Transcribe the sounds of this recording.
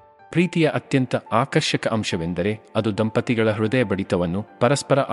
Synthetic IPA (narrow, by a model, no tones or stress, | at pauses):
pɾiːt̪ijɐʔɐt̪jɐnt̪ɐaːkɐɾʃɐkɐʔɐmʃɐʋe̞nd̪ɐɾe̞ɐd̪ud̪ɐmpɐt̪iɡɐɭɐɦɾud̪ɐjɐbɐɽit̪ɐʋɐnːupɐɾɐspɐɾɐʔ